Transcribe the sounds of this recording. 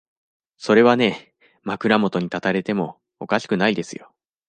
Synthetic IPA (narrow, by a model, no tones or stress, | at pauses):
so̞ɾe̞β̞ane̞ | makɯ̟ɾamo̞t̪o̞ɲ̟it̪at̪aɾe̞t̪e̞mo̞ː | kaɕi̥kɯ̟naid̪e̞sɨ̰jo̞̰